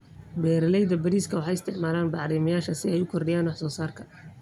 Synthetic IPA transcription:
bɛːɾɐlɛjðɐbɐɾiːskʰɐwɑħɑjɪst̪ʰɪʕmaːlaːnbɑʕɾiːmɐjaːʃɐsɪɛjʊkʰɔrɖɪjaːnwɑħsɔːsaːrkʰɐ

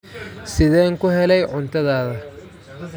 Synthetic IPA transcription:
sɪðɛːŋkʰʊɦɛlɛjʕʊnt̪ʰɐðaːðɐ

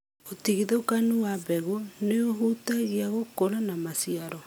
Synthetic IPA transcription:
otiɣiðokanuwabɛɣuneoɦutaɣiaɣokoɾanamasiaɾɔ

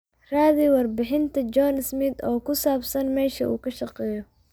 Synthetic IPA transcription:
raːðiwɐrbɪħɪnt̪ʰɐt͡ʃɔːnɪsmɪd̪ɔːkʰʊsaːbsɐnmɛːʃɐ̰ʔṵːkʰɐʃɐqɛːjɔ

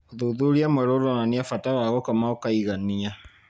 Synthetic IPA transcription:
ðuðuɾiameɾoɾɔnaniafatawaɣɔkamaokaiɣanːija

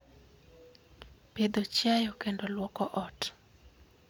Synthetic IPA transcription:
ped̪ot͡ʃjajɔkendolwɔkɔʔɔt

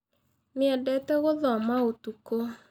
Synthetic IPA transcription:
nɪɛdɛtɛɣoðɔmaotuko

